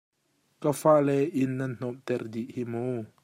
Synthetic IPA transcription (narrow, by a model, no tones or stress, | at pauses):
kafaʔlɛʔɪnːɐnn̥ɔmt̪ɛrdiʔhimow